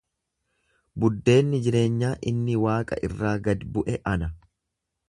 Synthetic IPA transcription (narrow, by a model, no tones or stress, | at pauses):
bʊd̪ːe̞ːnːɪd͡ʒɪɾe̞ːɲːaːʔɪnːɪwaːkʼɐ̰ʔɪrːaːɡɐd̪bʊʔɛʔɐnɐ